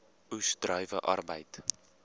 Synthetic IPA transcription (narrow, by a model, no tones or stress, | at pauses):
usdrœɥvəʔɐrbəjt